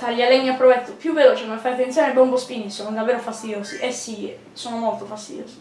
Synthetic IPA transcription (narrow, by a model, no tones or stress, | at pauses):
t̪aʎːialːɛɲːapːɾovɛt̪ːopjuvːeloːt͡ʃekomefːajat̪ːent̪sjoːnebɔmbospiːnisoːnod̪avːeːɾofast̪id̪joːziʔesːi | soːnomolt̪ofast̪id̪jo̰ːsi̥